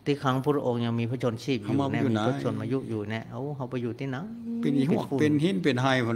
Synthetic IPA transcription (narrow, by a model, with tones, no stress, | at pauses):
t̪ʰiː˧˩kʰa˧˦ŋpʰuː˧˩ɾa˧ʔo˧ŋɲa˧ŋmi˧pʰːt͡ɕʰo˧nt͡ɕʰiː˥˩p̚jːma˧˩nɛ˧˥u˧˨mː˧n˧a˨˧˥t͡ɕʰo˧nmaː˧ju˦˧˥ʔjuː˨˩nɛ˧˥˩ha˧˥˩wɦa˧wpa˧juː˨˩t̪ʰiː˧˩na˨˦ŋ | pe˧n˧˨hu˧˥˩kfuː˧˨pe˧nhi˦˧˥npe˨nɦa˧˩jpʰa˧